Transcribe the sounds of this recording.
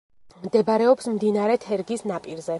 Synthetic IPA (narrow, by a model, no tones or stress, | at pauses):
md̪ɛbaɾɛɔpsmd̪inaɾɛt̪ʰɛɾɡisnapʼiɾzɛ